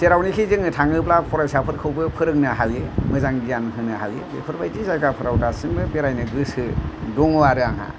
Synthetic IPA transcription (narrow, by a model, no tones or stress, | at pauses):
seɾawnikʰizɯŋɯtʰaŋɯplapʰɔɾajsapʰɯɾkʰɯwbɯpʰɯɾɯŋnaɦalemɯzaŋɡijankʰɯnɯha̰lḛbḛpʰɯɾbajtizajɡapʰɯɾawtasɯŋbɯpeɾajnɯɡɯsɯdɔŋuaɾɯaŋɦa̰